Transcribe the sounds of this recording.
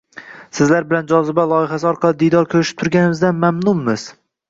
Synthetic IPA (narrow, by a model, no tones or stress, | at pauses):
sɪzlaɾbɪland͡ʒɒzɪbalˠɒjɪɦasɪɒɾqʰɑlˠɪd̪ijd̪ɒɾkʲʰɵɾɪʃɪ̥p̚t̪ʰʊɾɡʲanɪmɪzd̪anmamnʊmːɪz̥